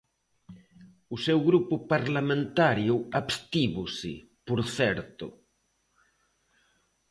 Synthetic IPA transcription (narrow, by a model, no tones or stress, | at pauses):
ʊsewɣɾupʊpaɾlamẽnt̪aɾjʊaβst̪iβʊsɪ̰ | poɾθɛɾt̪ʊ̰